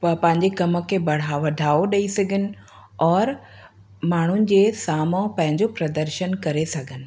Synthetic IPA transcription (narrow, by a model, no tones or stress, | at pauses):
pɐpɐ̃ɦɪ̃ɲd͡ʑekɐmə̆kʰebɐɽ̤aʋɐɖʱaːoɗɐisɐɡʱɪnɪ̆ | ɔːɾ | maːɳ̤ʊnɪ̆d͡ʑeːsaːmõpɐ̃ɦɪ̃ɲd͡ʑopɾɐd̪əɾʃənkɐɾesɐɡʱənɪ̆